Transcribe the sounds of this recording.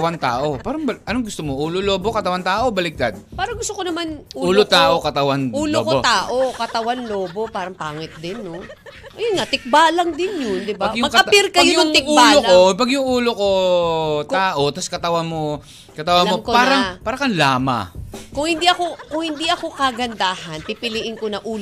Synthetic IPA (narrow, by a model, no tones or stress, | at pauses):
ɐwant̪aːʔo̞paːɾɐŋbɐʔɐnoŋɡʊst̪omoʔuːloloːbokɐt̪ɐwant̪aːʔo̞bɐlɪk̚t̪ad̪̚paːɾɐŋɡʊst̪okonɐmanʔuːuːlot̪aːʔo̞kɐt̪ɐwanuːlokot̪aːʔokɐt̪ɐwanloːbo̞paːɾɐŋpaːŋɪt̪̚d̪ɪnːo | ʔɐjʊnŋat̪ɪk̚baːlɐŋd̪ɪnjʊnd̪ɪbajʊmɐɡkɐɪɾkɐjoʊŋɪbalːolopɐɡjʊŋʔuːloko̞ | t̪aːʔo̞t̪ɐskɐt̪ɐwanmo | kɐt̪ɐwanmokpaːɾɐŋpaːɾɐkɐnlaːma̰kʊŋhɪnd̪iʔɐko̞kʊŋhɪnd̪iʔɐko̞kɐɡɐnd̪aːhɐnpipɪlɪʔɪnkonɐʔuːl